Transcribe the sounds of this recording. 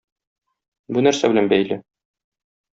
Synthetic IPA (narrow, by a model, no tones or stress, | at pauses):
bunæɾsæbɘ̆lænbæjlɘ